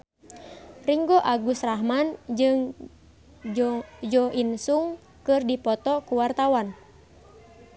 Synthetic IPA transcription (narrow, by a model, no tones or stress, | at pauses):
riŋɡɔʔaɡusraɦmand͡ʒɨŋ | d͡ʒɔʔinsuŋ | kɨrdipɔt̪ɔkuwart̪awan